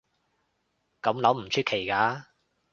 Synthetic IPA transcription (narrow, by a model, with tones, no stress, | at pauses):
kɐ˨˧˥mlɐ˨˥wm̩˨˩t͡ʃʰyː˥t̚kʰe˨˩jkaː˨˧˥